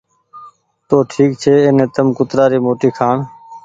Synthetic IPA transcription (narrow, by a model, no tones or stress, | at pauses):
t̪oːʈʰiːk̚t͡ʃʰeːeːnẽːt̪əmkʊt̪ɾaːɾiːmoːʈiːkʰaːɳ